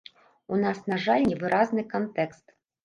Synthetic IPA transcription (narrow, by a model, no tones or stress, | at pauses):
unasnaʐalʲnʲivɨɾʔaznɨkant̪ɛkst̪